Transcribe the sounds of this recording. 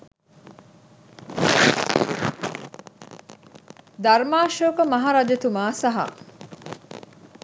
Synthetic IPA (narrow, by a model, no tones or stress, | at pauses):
d̪ɐɾmaːʃoːkɐmɐɦaɾɐd͡ʒet̪umaːsɐɦa̰